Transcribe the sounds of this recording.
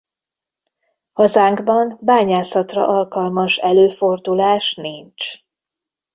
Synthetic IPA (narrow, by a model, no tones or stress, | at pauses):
hɒzaːŋɡbɒnbaːɲaːsɒt̪rɒ̰ʔɒlkɒlmɒʃɛløːfo̞rd̪ulaːʃniɲt͡ʃ